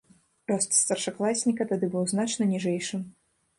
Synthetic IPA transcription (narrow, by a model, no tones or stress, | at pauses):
rɔst̪st̪ɐrʂaklˠasʲnʲikɐt̪ad̪ɨbɨwznat͡ʂnɐnʲiʐɛjʂɨm